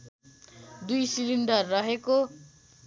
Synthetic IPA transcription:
d̪ujsilind̪ʌrːʌɦeko

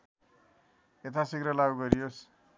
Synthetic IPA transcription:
et̪ʰasikɾʌlaɡuɡʌɾijos

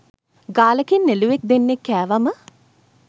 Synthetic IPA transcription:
ɡaːləkenːeluʋek̚d̪enːekːæːʋamə

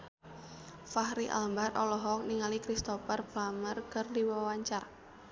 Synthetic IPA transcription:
fahɾiʔa̰lmbaɾɔlɔɦɔk̚niŋalikɾist̪ɔfərplamərkərdiwawaɲt͡ʃar

